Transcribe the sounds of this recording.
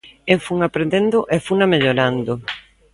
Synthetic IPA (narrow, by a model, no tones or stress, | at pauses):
efuŋapɾend̪end̪ʊʔefunameʎoɾand̪o